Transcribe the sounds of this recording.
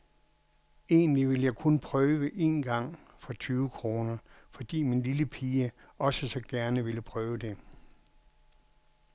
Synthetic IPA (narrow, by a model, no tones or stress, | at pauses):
e̝ːnliʋe̝ljɑ̈ɪkʰonpʰʁœːʋəʔe̝ːnɡ̥ɑ̈ŋ̰ | fɒ̽t͡sʰyːʊəkʰʁo̝ːnɐfɒ̽d̥ḭːminliləpʰiːə | ɒ̽səsɒ̽ɡ̥æɐnəʋeləpʰʁœːʊəd̥e̝